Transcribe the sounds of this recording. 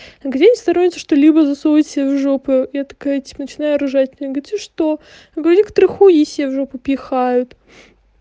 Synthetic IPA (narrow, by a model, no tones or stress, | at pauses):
ɐɡdʲenʲɪst̪ɐɾonʲɪt̪səʂt̪olʲibəzɐsoɪtʲsʲevʐopɨjat̪ɐ̥kajətʲi̥pənət͡ɕɪnajʊɐɾʊʐatʲɪnʲəjɡʲɪt̪ʲt̪ʲɨʂt̪o | ɐɡəvɐɾʲikt̪ɾɨxujisʲevʐopɨpʲjɪxajʊt̪